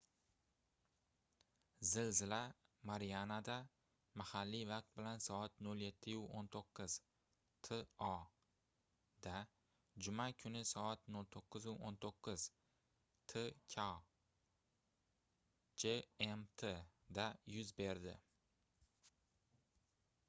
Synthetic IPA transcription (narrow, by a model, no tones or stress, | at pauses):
zɪlzɪlamaɾijanad̪a | mahalːivɑq̚t̪̚bɪlansɒat̪nolje̞t̪ʰːɪjuont̪ʰoqʰːɨz | t̪ʰeɒ | d̪a | d͡ʒʊmakʰʊnɪsɒat̪nolt̪ʰoqːɨzʊʔont̪ʰoqːɨz̥ | t̪ʰekʲʰa | d͡ʒeemt̪ʰed̪ajʊzbe̞ɾd̪ɪ